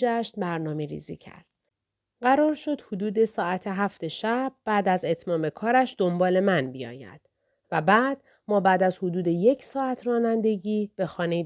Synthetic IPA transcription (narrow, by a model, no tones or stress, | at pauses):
d͡ʒæʃt̪bæɾnɒːme̞ɾḭzḭːcʰæ̰ɾd̪̥̚ | ɢæɾɒːɾʃo̞d̪̥hod̪uːd̪e̞sɒːæt̪ʰeɦæft̪e̞ʃæb̥̚ːæːd̪æze̞t̪ʰmɒːme̞kʰɒːɾæʃd̪o̞mbɒːle̞mænbijɒ̰ːjæ̰d̪̥ | væbæːd̪̥ | mɒːbæːd̪æzhod̪uːd̪e̞je̞cʰsɒːæt̪ʰrɒːnænd̪e̞ɟiːb̥e̞xɒːnej